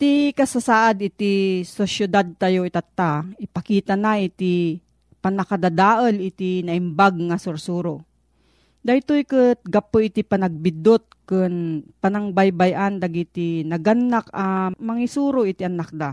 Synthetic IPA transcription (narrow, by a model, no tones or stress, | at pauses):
t̪ikɐsasaːʔad̪ɪt̪isosjʊd̪ad̪̚t̪ajoɪt̪at̪ːaɪpɐkiːt̪anaʔɪt̪i | panɐkad̪ad̪aːʔəlɪt̪inɐʔɪmbaɡ̚ŋasʊɾsuːɾo | d̪ajt̪ojkɨt̪̚ɡɐpoʔɪt̪ipɐnɐɡ̚bɪd̪ot̪̚kɨnpanaŋbajbajʔand̪aɡit̪inɐɡanːakɐmɐŋisuːɾoʔɪt̪iʔɐnak̚d̪a